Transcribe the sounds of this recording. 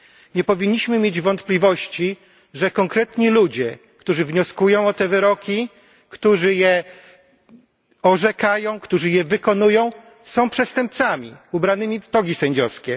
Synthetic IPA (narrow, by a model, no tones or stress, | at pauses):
ɲɛpɔvʲiɲːiɕmɘmʲjed͡ʑvɔnt̪plʲivɔɕt͡ɕi | ʐɛkɔŋkɾɛt̪ɲilud͡ʑɛ | kt̪uʐɘvɲɔskujɔ̃w̃ɔt̪ɛvɘɾɔkʲi | kt̪uʐɘjɛ | ɔʐɛkajɔ̃w̃kt̪uʐɘjɛvɘkɔnujɔ̃w̃ | sɔ̃w̃pʂɛst̪ɛmp̚t̪samʲiubɾanɘmʲit̪ɔɡʲisɛɲd͡ʑɔskʲɛ